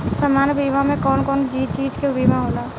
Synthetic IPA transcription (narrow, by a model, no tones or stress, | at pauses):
səmaːnbimamẽkɔːnkɔːnd͡ʒiːt͡ʃiːd͡ʒkebimaɦola